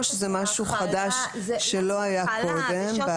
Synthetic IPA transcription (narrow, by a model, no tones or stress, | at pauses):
ʃezɛmaʃuχad̪aʃ | ʃelo̞ajako̞d̪embe